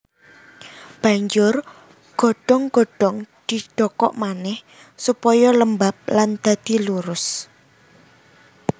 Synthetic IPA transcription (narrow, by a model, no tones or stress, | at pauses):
b̥a̤ɲd͡ʒʊr | ɡ̥ɔ̤ɖ̥ɔŋɡ̥ɔ̤ɖ̥ɔŋd̪̥i̤ɖ̥ɔkɔ̰ʔmanɛh | supɔjɔləmbap̚land̪̥ä̤d̪̥i̤luɾʊs